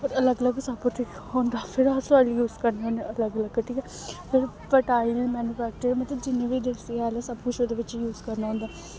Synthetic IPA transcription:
ɔːɾələɡələɡsəbkʊʈʰik | ɦõːnd̪aːpʰɪɾasaljuːzkəɾneɦõːneələɡələɡʈʰiːkɛ | pʰɪɾ | pəʈaːɪlmɛːnjuːpɛːk̚t͡ʃəɾmət̪ləbd͡ʒɪnːẽːʋiːd̪esiaːlasəbkʊt͡ʃʰoːd̪eːʋɪt͡ʃjuːzkəɾnaːɦõnd̪aː

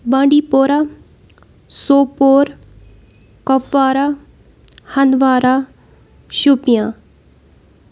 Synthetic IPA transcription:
bãɳɖipoːɾa | soːpoːɾ | kɐʋːaːɾa | hɐnʋaːɾa | ʃupijã

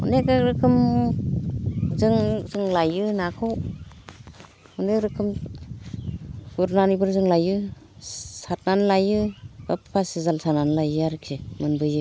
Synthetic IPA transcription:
ṵnekɯɾɯkʰɯm | zɯŋzɯŋlajɯnakʰɯw | uneɾɯkʰɯm | buɾnanibɯɾzɯŋlajɯ | sat̚nanlajɯbapʰːasizalsananlajɯaɾkʰemɯnbɯjɯ

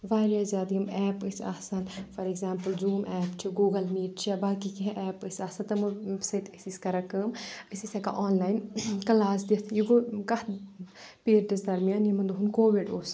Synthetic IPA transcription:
ʋaːɾjɐzʲjaːd̪iɐmɛːpɨsʲɐ̰sɐnfɐɾeɡzaːmpɨlzuːmʔɛːpt͡ʃʰiɡuːɡɐlmiːʈ̚t͡ʃʰijabaːkikiɦʔɛːpɨsʲaːsɐnt̪ɐmɨsɐt̪ɨsiskɐɾɐkɐːmɨsisɐka̰ʔoːnlaːjnkɐlaːs̬d̪it̪ʰjiɡoːkɐh | peːɾd̪ɐsd̪ɐɾmijaːnjimɐnd̪uɦunkoːʋiɖoːs

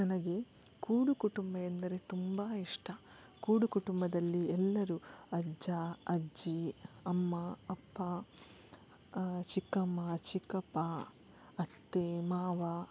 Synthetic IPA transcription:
nɐnɐɡe̞ | kuːɽukuʈumbɐend̪ɐɾe̞t̪umbaːiʂʈɐ | kuːɽukuʈumbɐd̪ɐlːiɛlːɐɾuɐd͡ʒɐɐd͡ʒiɐmːɐːpːɐ | t͡ʃikɐmɐt͡ʃikɐpɐ | ɐt̪ːemaːʋɐ

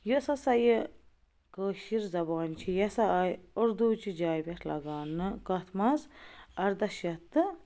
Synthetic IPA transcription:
jəsɐsɐjə | kəːʃiɾzɐbaːnt͡ʃʰijɐsɐɐjʊɾd̪uːt͡ʃʰid͡ʒaːjbʲɐt̪ʰlɐ̰ɡaːnːɨkɐt̪ʰmɐzɐɾd̪ɐʃjɐt̪ːɨ

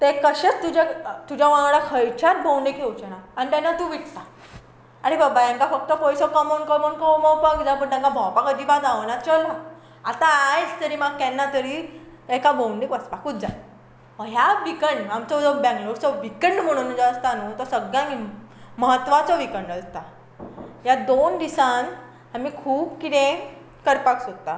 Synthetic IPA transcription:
t̪ekəɕet͡st̪ud͡ʑat̪ud͡ʑʱaʋãɡɭakʰəjt͡ɕat̪̚bʱowɳɖikʰewt͡ɕənaañit̪ɛ̃nːat̪uʋiʈʰt̪a | aɽibəbaɛ̃ŋkafək̚t̪əpɔjsɔkəmɔnkəmənkɔmowpakid͡z̪apəɳʈ̪ãŋkabʱɔ̃wpakəd̪ʱibad͡zaʋnat͡ɕəlɔ | at̪ãːjt͡st̪əɾiːmaɡ̚kɛnːat̪əɾi | ekabʱowɳɖikʋəsbakud̪d͡za | məɦjaʋikəɳɖamt͡sɔd͡zɔbɛ̃ŋɡloɾt͡sɔʋikəɳɖm̤əɽ̃und͡zaəst̪anot̪ɔsəɡjãŋiməɦət̪ːʋat͡sɔʋikəɳɖəst̪a | jad̪ond̪isan | amikʰuːbkit̪ẽ | kəɾpaksot̪a

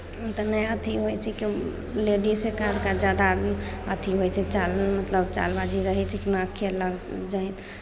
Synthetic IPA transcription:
t̪ənəjət̪ʰiɦojt͡ʃʰɛki | leɖisekaɾkad͡ʒjad̪aət̪ʰiɦojt͡ʃʰɛt͡ʃalmət̪ləbt͡ʃa̰lbad͡ʒiɾəɦɛt͡ʃʰɛkinakʰeləɡd͡ʒajt̪ʰ

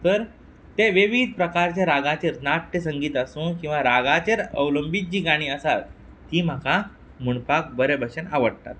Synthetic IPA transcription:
t̪əɾ | t̪eʋeʋid̪̚pɾəkaɾt͡ɕjaɾaɡãt͡ɕeɾnaʈʈːəsəŋɡiːt̪əsũkĩw̃ʋaɾaɡat͡ɕeɾəʋləmbit̪̚d͡ʑiːɡaɽ̃iːəsat̪ː | iːm̤aka | muɳpak̚bəɾebʱəɕənaʋəɽt̪a̰t̪̚

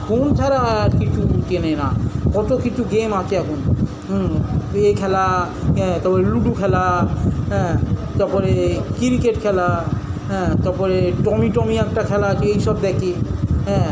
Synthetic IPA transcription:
kont̪ʰaɾaɾkit͡ʃʰut͡ʃenenakɔʈokit͡ɕʰuɡemat͡ʃʰeɛkʰuñ | ekʰɛla | ɛ̃t̪aɾpɔɾeluʈukʰɛlaɦɛ̃t̪aɾpɔɾekiɾikeʈkʰɛlaɦɛ̃t̪aɾpɔɾeʈɔmiʈɔmiɛk̚ʈakʰɛlaat͡ʃʰeejʃɔb̚d̪ɛkʰiɦɛ̃

